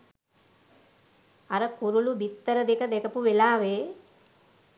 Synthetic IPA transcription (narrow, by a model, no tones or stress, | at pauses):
ɐɾəkuɾulubit̪ːəɾəd̪ekəd̪ɛkɐpuʋelaːʋeː